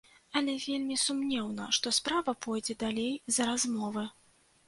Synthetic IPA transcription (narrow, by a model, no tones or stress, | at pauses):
ɐlʲɛvʲelʲmʲisumnʲɛwnɐ̰ʂt̪ɔspɾavɐpʰɔjd͡zʲɛd̪alʲejzɾazmɔvɨ